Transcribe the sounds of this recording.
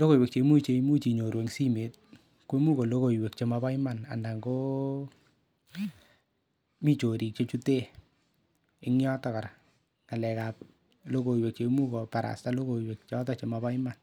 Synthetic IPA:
lo˦ko˦˨jwe˨k̚t͡ʃe˧˦mu˦t͡ʃe˧imu˦t͡ʃi˨ɲo˨ɾwe˨ŋsi˦me˨t̚ | ke˦mu˦ko˨lo˦ko˨jwe˨k̚t͡ʃe˧maba˦jmana̰˨nda˨ŋɡo˦ | mi˨t͡ʃo˨ɾi˨k̚t͡ʃo˦t͡ʃu˦te˦ | ɪ˦ŋjɔ˦tɔka˨ɾa | ka˨lɛ˨kap̚ | lo˦ko˨we˨k̚t͡ʃe˧mu˦ko˨pa˨ɾa̰˨sta˦lo˦ko˨jwe˨k̚t͡ʃɔ˦tɔ˦t͡ʃe˨maba˦jma˨n

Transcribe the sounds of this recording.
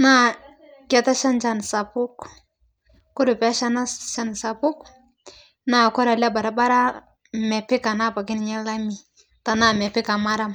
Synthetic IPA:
na˦ | kɛ˨ta˦ʃa˦nt͡ʃa˦˨nsa˨pʊ˦k | kʊ˦ɾʊ˨pɛ˦ʃa˦na˦ʃa˦nsa˨pʊ˦k | na˦kɔ˦ɾa˨la˦ba˨ɾa˦ba˦ɾa˦ | mɛ˨pɪ˦ka˨na˦˨pa˨kɪ˦n˨ɲɛ˦la˦mi˨ | ta˨na˦mɛ˨pɪ˦ka˨ma˦ɾa˦m

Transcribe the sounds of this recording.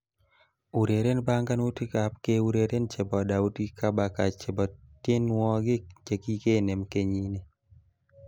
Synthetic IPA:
u˨ɾe˨ɾe˦nba˦ŋɡa˦nu˦ti˦ka˨p̚ke˦u˦ɾe˨ɾe˦nt͡ʃe˨bɔ˨da˨u˦ti˦ka˦ba˨ka˨t͡ʃe˨bɔ˨tːje˦nwɔ˦ɡɪ˦t͡ʃe˨ki˦ke˦˨ne˨mke˦ɲi˦ne˨

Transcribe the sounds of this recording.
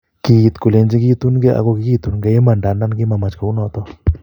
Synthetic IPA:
ki˧t̪ku˨le˨˧nd͡ʒi˧˦ki˦t̪u˦nɡe˦a̰˨kɔ˦˧ki˧ki˦t̪u˨nɡɛ˧˦e˦ma˨nda˨na˦nɡɪ˦ma˧ma˨t͡ʃka˨u˦nɔ˧t̪ɔ˦

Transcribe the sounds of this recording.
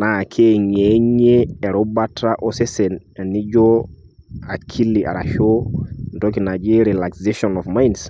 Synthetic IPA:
na˨kʰe˦ɲe˦ɲe˦ɛ˨ɾo˦ba˦tʰa˦ʔɔ˦sɛ˦sɛ˨na˨ni˦d͡ʒo˦ | a˨kʰi˦li˨a̰˨ɾa̰˨ʃo˦ndɔ˦k̬i˨na˨d͡ʒi˦ɾi˨la˨kseʃɔnɔfma˦jns

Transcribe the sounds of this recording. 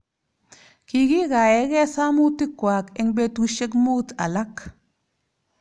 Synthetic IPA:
ki˨ɡi˦ɡa˨e˨˦ɡɛ˦sa˦mu˦tːi˦kwa˨ke˦ŋbe˦tu˦ʃe˦k̬mu˦ta̰˨la˦k

